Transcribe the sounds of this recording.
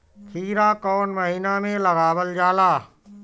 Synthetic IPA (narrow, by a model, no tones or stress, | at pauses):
kʰiːɾakɔːnməɦinamẽləɡaːwəld͡ʒaːlaː